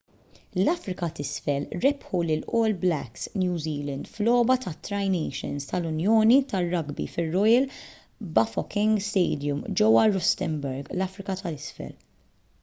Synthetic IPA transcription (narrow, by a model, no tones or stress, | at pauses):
lɐfɾɪkɐt̪ɪsfɛlɾɛpħulɪlʔɔːlblɛksnjuːziːlɐnd̪flɔːbɐt̪ɐt̪ːɾɐjnɛjʃɪ̰nst̪ɐlʊnjɔːnit̪ɐrːɐɡbḭfɪrːɔjɐl | bɐfɔkɪ̃ŋɡst̪ɛːd̪jʊmd͡ʒɛwːɐɾɔst̪ɛmbɛɾɡlɐfɾɪkɐt̪ɐlɪsfɛ̰l